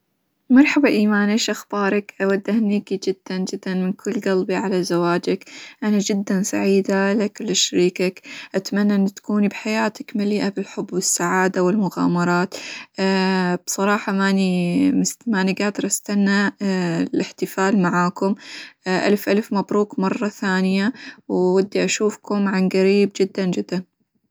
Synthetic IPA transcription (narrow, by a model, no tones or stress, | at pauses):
mɑɾˤħabaʔiːmaːnʔeʃʔaxb̥ɑːɾˤɑkʔawad̪ːahniːkid͡ʒɪd̪̥ːand͡ʒɪd̪ːanmɪnkʰʊlːɡalbiʕalazawaːd͡ʒakʔanad͡ʒɪd̪ːansa̰ʕiːd̪alakʊlːɪʃɾiːkakʔat̪amanːaʔɪnːt̪ḁkuːnibħajaːt̪akmaliːʔabɪlħʊbːwɪsːaʕaːd̪awɪlmʊɣa̰ːmɑɾˤɑːt̪ː | b̥sˤɑɾˤɑːħɑmanimɪsmaʔniɡaːd̪ɪɾˤʔast̪anːa | lʔɪħt̪ɪfaːlmaʕaːkʊmʔa̰lfʔalfmabɾuːkmɑrˤːɑθaːnɪjawwad̪ːiʔaʃuːfkʊmʕanɡaɾiːbd͡ʒɪd̪ːand͡ʒɪd̪ːan